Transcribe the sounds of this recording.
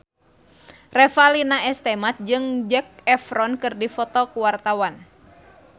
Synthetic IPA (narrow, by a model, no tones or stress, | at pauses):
rɛfalinaɛst̪ɛmat̪̚d͡ʒɨŋd͡ʒɛk̚ɛfɾɔnkɨrdifɔt̪ɔkuwart̪awan